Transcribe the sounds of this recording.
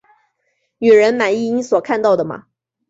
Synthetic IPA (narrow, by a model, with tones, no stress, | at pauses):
ny˨˩ɻə˧˥nma˨˩ni˥˧ni˧˥swɔ˨˩kʰa˥˧nt̪ɑ˥˩ʊd̪ə˩mɐ̰˨˩